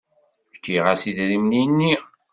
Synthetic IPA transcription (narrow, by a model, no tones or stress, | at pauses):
fkːiʁasiðɾimninːi